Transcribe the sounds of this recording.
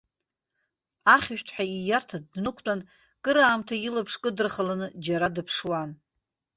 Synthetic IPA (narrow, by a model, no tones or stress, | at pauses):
aχʲɪʃᶣtʰʼħʷᶣaijartʰadnɨkʷʰtʼan | kʼɨɾaːmtʰailapʰʂkʼɨdɨrχalanɨd͡ʒaɾadɨpʰʂwan